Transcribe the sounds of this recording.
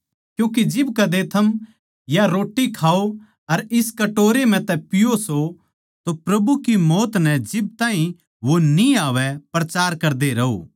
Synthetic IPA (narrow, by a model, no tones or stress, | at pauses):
kjũːk̬id͡ʒɪbkɐd̪et̪ʰɐm | jaɾoːʈːikʰaːo | ɐɾɪskɐʈoːɾem̤ɛ̃t̪ɛpɪjoso | t̪opɾɐbukimɔːt̪nɛd͡ʒɪb̚t̪ãːɦĩ | ʋoniaːʋɛpɾɐt͡ʃaːɾkɐɾd̪eɾɐɦo̰ː